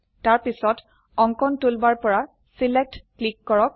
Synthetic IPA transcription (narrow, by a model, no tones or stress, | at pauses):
taɹpisɔt | ɔŋkɔntulbaɹpɔɹa | silek̚tklikːɔɹɔk̚